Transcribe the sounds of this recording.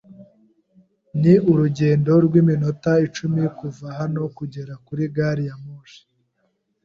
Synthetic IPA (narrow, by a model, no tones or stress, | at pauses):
niuɾuɟe̞ːndo̞ɾɡwiːmino̞tait͡ʃumikuvaɦano̞kuɟe̞ɾakuɾiɡaːɾijamoːʃi̥